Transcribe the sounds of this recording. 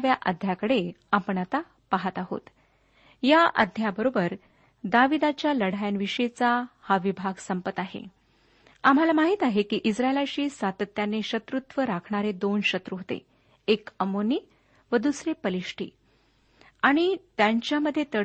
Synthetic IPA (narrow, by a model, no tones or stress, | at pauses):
ʋjaʔə̰d̪ʱjakəɽeapəɳat̪a | paɦat̪aɦo̰t̪ | jaʔə̰d̪ʱjabəɾobəɾ | d̪aʋid̪at͡ɕjaləɽ̤ajanʋiɕəjt͡sahaʋibʱaɡsəmpət̪aɦḛ | am̤alamaɦiːt̪aɦekiːʔisɾaelaɕiːsʋat̪ət̪ːjaneɕət̪ɾut̪ʋəɾakʰɳaɾed̪onɕət̪ɾuɦot̪ḛ | ekəmoniː | ʋəd̪usɾepəliʂʈʰḭː | aɽ̃it̪jaɲt͡ɕjaməd̪ʱːjet̪ə